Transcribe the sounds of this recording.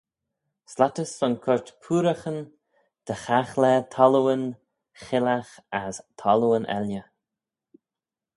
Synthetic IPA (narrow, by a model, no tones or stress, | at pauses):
slat̪əsːɔnkʰʊɹt̪pʰuːɾəxən | d̪̥əxaxlɛːt̪ʰɔluwən | xɪlaxast̪ʰɔləənɛ̰ljə